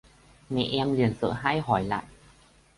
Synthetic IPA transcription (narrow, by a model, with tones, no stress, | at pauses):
me˧˩ʔe˧mli˨˩ənsɤ˨˩ɦa˥˩jɦɔ˨˩˦jla̰˧˦ʔ̚